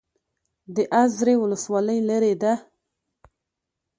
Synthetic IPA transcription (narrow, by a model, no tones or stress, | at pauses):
d̪əʔazɾewʊləswɑləjlaɾed̪a